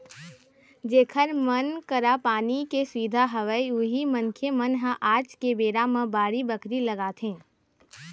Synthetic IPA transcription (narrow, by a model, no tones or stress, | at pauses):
d͡ʒeːkʰəɾmənkəɾapaːnikeswiːd̪ʱaɦəʋəiʊɦimənkʰemənɦãʔaːd͡ʒkebeːɾamə̃baːɽibəkɾiləɡaːt̪ʰẽː